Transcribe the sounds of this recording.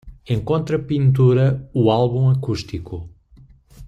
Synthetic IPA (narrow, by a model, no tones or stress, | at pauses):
ẽŋkõnt̪ɾɐpĩnt̪uɾɐualˠβũɐkuʃt̪iku